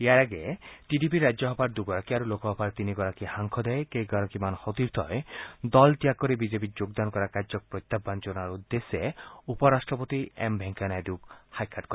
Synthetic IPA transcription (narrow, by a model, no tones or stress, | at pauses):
jaɾaɡeʈiɖipiɾad͡ʒɔɦɔpʰaɾd̪uɡɔɾakiaɾulokɔɦɔpʰaɾt̪iniɡɔɾakihaŋkʰɔd̪ɛjekejɡɔɾakimanhɔt̪iɾt̪ʰɔed̪ɔlt̪iakɔɾibid͡ʒepid͡ʒoɡd̪ankɔɾakaɾd͡ʒɔkɔpɾɔjt̪ːabːand͡ʒonaɾud̪ːeseupɔɾasʈɾɔpot̪iembʱeŋkanajd̪ukhajkʰaʈkɔɾa